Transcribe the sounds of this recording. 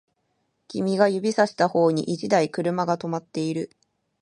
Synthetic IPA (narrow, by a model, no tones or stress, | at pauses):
kʲimʲiɡajɯ̟bʲisaɕi̥t̪aho̞ːɲ̟ḭʔit͡ɕid̪aikɯ̟ɾɯ̟maɡat̪o̞mat̪ːe̞iɾɯ̟